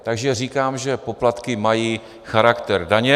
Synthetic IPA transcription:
t̪aɡʒɛriːkaːmʒɛpoplat̪kɪmajiː | xaɾakt̪ɛɾdaɲɛ

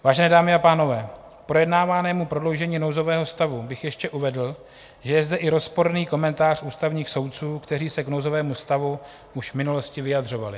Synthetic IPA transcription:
vaːʒɛnɛːdaːmɪapaːno̞vɛː | pɾo̞jɛdnaːvaːnɛːmupɾo̞dlowʒɛɲiːno̞wzo̞vɛːɦo̞st̪avubɪxjɛʃcɛʔuvɛdl̩ | ʒɛjɛzdɛʔɪɾo̞spo̞ɾniːko̞mɛnt̪aːr̝uːst̪avɲiːxso̞wt̪t͡suːkt̪ɛriːsɛknowzo̞vɛːmust̪avu | uʃvmɪnulo̞scɪvɪjad̪r̝o̞valɪ

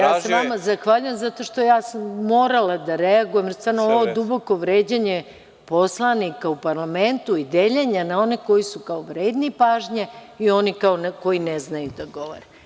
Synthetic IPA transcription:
jaːseʋamazaxʋaːʎujemzat̪o̞ʃt̪o̞jaːsamːo̞ːɾalˠad̪aɾeaɡujemjest̪aɾnooʋod̪ubo̞ko̞ʋɾeːd͡ʑeɲe | po̞slˠanikaupaɾlame̞nt̪uid̪eʎeɲanao̞neko̞jisukaoʋɾe̞ːd̪nipaːʒɲeio̞nikaonko̞jineznajud̪aɡo̞ʋo̰ɾe

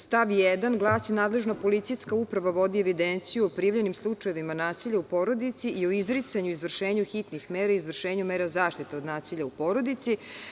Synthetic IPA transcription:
st̪aʋjɛd̪anɡlˠaːsinaːd̪lˠeʒnopo̞lit̪sijskaupɾaʋaʋo̞d̪ieʋid̪ent̪sijuopɾiːʋʎenimslˠut͡ʂajeʋimanaːsiʎaupo̞ɾo̞d̪it̪siʔioizɾit̪saɲuizvr̩ʃeːɲuxit̪nixmeːɾaizvr̩ʃeːɲumeːɾazaːʃt̪it̪eo̞d̪naːsiʎʲaupo̞ɾo̞d̪it̪si

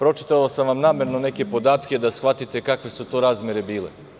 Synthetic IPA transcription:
pɾo̞t͡ʃi̥t̪alasamʋamnaːme̞ɾnoneke̞po̞d̪aːt̪kʲe̞d̪asxʋat̪it̪ekakʋe̞sut̪oːɾaːzmʲje̞ɾe̞biːlḛ

